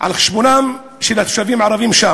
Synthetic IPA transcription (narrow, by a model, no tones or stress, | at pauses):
ʕa̰lxi̥ʃbonam | ʃelat̪ʃavimʕaɾˤɑvimʃa